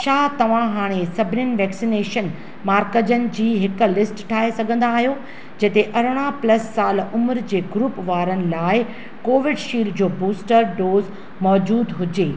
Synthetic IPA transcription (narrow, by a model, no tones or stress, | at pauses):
ʃaːt̪ɐʋ̤ãɦaːɽ̃esɐbʱɪnɪnɪ̆ʋɛːksineːʃən | maːɾkəd͡ʑənɪ̆d͡ʑiːɦɪk̆lɪsʈʈʰaːɦesɐɡʱə̃n̆d̪aːɦijo | d͡ʑɐt̪eʔɐɾɽ̃aplɐsːaːlʊməɾd͡ʑeːɡɾuːpʋaːɾənɪ̆laːɪ | koːʋɪɖʃiːld͡ʑoːbuːsʈəɾɖoːz | mɔːd͡ʑuːd̪ɦʊd͡ʑeː